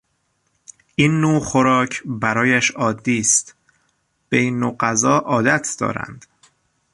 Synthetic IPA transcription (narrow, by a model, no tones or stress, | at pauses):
ʔiːnːoːxoɾɒːcʰbæɾɒːjæʃɒːd̪ːiːst̪ | b̥einːoːɢæzɒːʔɒːd̪æt̪ʰd̪̥ɒ̰ːɾæ̰nd̪̥